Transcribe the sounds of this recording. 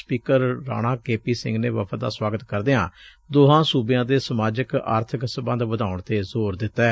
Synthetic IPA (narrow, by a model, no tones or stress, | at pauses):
spiːkəɾːa̰ːɽ̃ãːkeːpiːsɪ̰̃ŋɡnḛːʋə̰pʰəd̪a̰ːswaːɡət̪kəɾd̪eːã̰ː | d̪oːɦãːsuːbɪjãːd̪eːsəmaːd͡ʒəka̰ːɾt̪ʰəksəbə̃nd̪ʋəd̪aːʊɳt̪eːzoːɾd̪ɪt̪ːɛː